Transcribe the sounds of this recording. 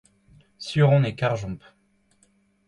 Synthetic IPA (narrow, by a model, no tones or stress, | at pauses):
syʁɔ̃nekaʁʒɔ̃p